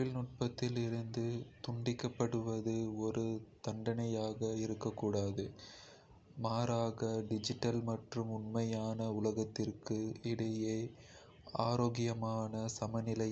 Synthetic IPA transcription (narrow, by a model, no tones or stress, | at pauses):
ɪlnʊʈ̚pɐt̪ːɪlɪɾɯnd̪ɯt̪ʊɳɖɪkːɐpːɐɽɯʋɐðɯɔɾɯt̪ɐɳɖɐnɐjaːɣɐɪɾɯkːɐkːuːɽaːðɯ | maːɾaːɣɐɖɪd͡ʒɪʈːɐlmɐʈrɯmʊɳmɐjaːnɐʊlɐɣɐt̪ːɪrkɯɪɽɐjeː | aːɾoːɣɪjɐmaːnɐsɐmɐnɪlɐ